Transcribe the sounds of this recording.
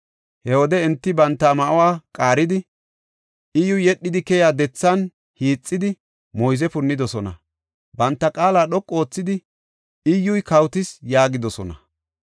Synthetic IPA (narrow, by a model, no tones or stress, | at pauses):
hɛwɔd̪ɛɪnt̪ːɪbɐnt̪ːɐmɐʔɐwaːkʼaːɾɪd̪ɪ | ʔɪjʊjɛɗːɪd̪ɪkɛjaːd̪ɛt͡sːɐn | hiːt͡sʼːɪd̪ɪ | mɔjzɛpʊnːɪd̪ɔsɔnɐ | bɐnt̪ːɐkʼaːlaːɗɔkʼːo̞ːt͡sːɪd̪ɪ | ɪjːʊjkɐwt̪ɪsjaːɡɪd̪ɔsɔnɐ